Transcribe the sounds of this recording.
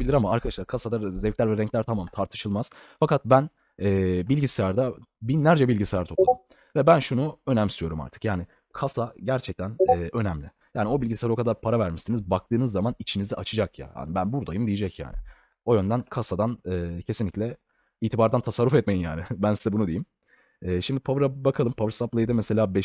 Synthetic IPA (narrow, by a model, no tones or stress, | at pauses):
bilʲiɾamaaɾkʰad̪aʃlˠaɾkʰasad̪azɛvclʲæɾvɛɾɛɲclʲæɾt̪ʰamamt̪ʰaɾt̪ʰɯ̥ʃɯlˠmaz̥fakat̪̚bæn | ɛːbilʲɟisɛaɾd̪abinlʲæɾd͡ʒɛbilʲɟisʲɛæɾt̪ʰop̪um | vɛbænʃunuø̞nɛmst̪yjo̞ɾuma̰ɾt̪ʰɯ̥kjaːnɪ | kʰasaɟæɾt͡ʃʰɛc̚t̪ʰænɛːʔø̞næmlʲɪ | jaːnio̞bilʲɟisʲaɾao̞kʰad̪aɾpʰaɾavæɾmiʃsinizbak̚t̪ʰɯːnɯzːamanit͡ʃʰiniziʔat͡ʃʰɯd͡ʒakja̰ha̰ːnibænbuɾd̪ajɯmd̪ijid͡ʒɛcja̰ːnɪ̰ | o̞jø̞nd̪ænkʰasad̪anɛːcʰesinlʲiclʲɛ | iːt̪ʰibaɾd̪ant̪ʰasaɾːufɛt̪̚mejimja̰ːnɪbænsizɛbunud̪e̞jim | ɛːʃimd̪iɪpʰavɾabakʰalˠɯmpʰavɾsaplˠajɯd̪amɛse̞lʲaːbɛ